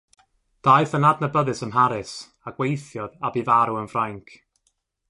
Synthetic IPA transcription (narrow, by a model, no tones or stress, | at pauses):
d̥aɨθənadnəbəðɨsəmɦaɾɨs | aɡ̥wejθjɔðabivaɾuənvrajŋkʰ